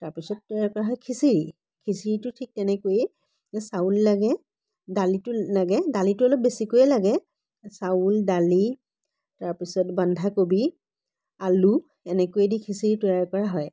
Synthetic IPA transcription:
taɹpisɔtːɔjaɹkɔɹaɦɔjkʰisiɹi | kʰisiɹitʊtʰik̚tɛnɛkojɛ | saulːaɡɛ | dalitʊlaɡɛdalitʊɔlɔp̚besikojɛlaɡɛ | sauldali | taɹpisɔtbandʱakobi | alu | ɛnɛkojedikʰisiɹitɔjaɹkɔɹaɦɔj

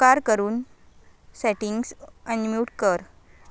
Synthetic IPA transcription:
kaɾkəɾuːn | sɛʈiŋɡsənmjuːʈkəɾ

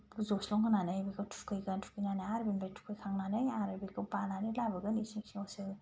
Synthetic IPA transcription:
buzɔslɔŋkʰananɯjbikɯtʰu̥kʰɯjɡɯntʰu̥kʰijnanɯjaɾbinbetʰu̥kʰɯjkʰaŋnanɯjaɾɯbikɯbananɯlabɯɡɯnisiŋsiɔsɯ

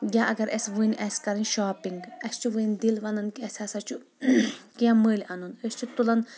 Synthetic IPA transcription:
jaʔɐɡɐɾesʋunʲʔɛskɐɾinʲʃaːpiŋɡɐst͡ʃʰuʋɨnd̪ilʋɐnɐnkiɛsʲɐsɐt͡ʃʰu | kijãməːlʲɐnunest͡ʃʰut̪ulɐn

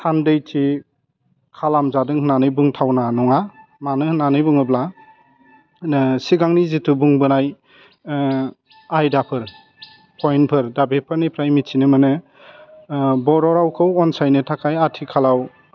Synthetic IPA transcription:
sandɯjtʰi | kʰalamzadɯŋhɯnanɯjbɯŋtʰawnanɔŋamanɯhnanɯjbɯŋɯbla | siɡaŋnizitʰubuŋbɯnaj | ajdapʰɯɾ | pʰɔjnpʰɯɾdabepʰɯɾnipʰɾajmitʰinɯmɯnɯ | bɔɾɔɾawkʰɯwɔnsajnɯtʰakʰajatʰikʰalaw

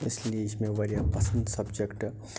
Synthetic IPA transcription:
ɪslieɪsmẽʋɐɾijapɐsə̃nd̪sɐbd͡ʒekʈ

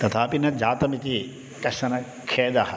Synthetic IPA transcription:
t̪ɐt̪ʰaːpinɐd͡ʒaːt̪ɐmit̪i | kɐʃɐnɐ | kʰeːd̪ɐhɐ

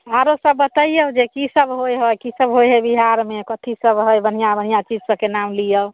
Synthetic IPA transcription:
aɾosəbːət̪əijəd͡ʒekisəbɦojɦojkisəbɦojɦəjbiɦaɾmekət̪ʰisəbɦəjbən̤ijabənijat͡ʃid͡ʒsəkenamlijə

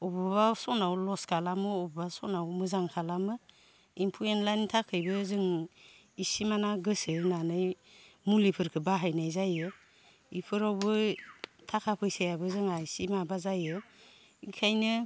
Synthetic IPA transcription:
ɔbɯbasɔnawlɔskʰalamɯɔbbasɔnawmɯzaŋkʰalamɯ | impʰuenlajntʰakʰɯjbɯzɯŋ | isimanaɡɯsɯnanɯjmulipʰɯɾkʰɯbaɦajnajzajɯ | ipʰɯɾawbɯtʰakʰapʰɯjsajabɯzɯŋaisimabazajɯ | ikʰajnɯ

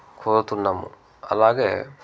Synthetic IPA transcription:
kʰoːɾut̪unːɐmṵ | ɐ̰laːɡeː

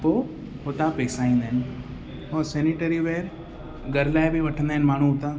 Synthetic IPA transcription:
poː | hot̪ãpɛːsaːĩːn̆d̪aːɦɪnɪ̆ | ɦõsɛːniʈəɾiʋeːɾ | ɡʱɐɾlaːɪbɪʋɐʈʰə̃nd̪aːɦɪnɪ̆maːɳ̤ũʊt̪ã

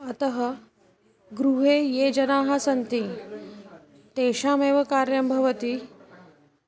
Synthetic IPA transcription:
ɐt̪ɐɦɐ | ɡɾuɦeːjeːd͡ʒɐnaːɦɐsɐnt̪i | t̪eːʃaːmeːʋɐkaːɾjɐmbʱɐʋɐt̪i

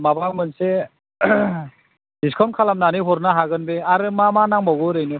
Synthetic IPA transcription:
mabaŋmɯnse | diskʰɔnkʰalamnanɯɦɔɾnaɦaɡɯnbeaɾɯmamanaŋbawɡɔɾɯjnɯ

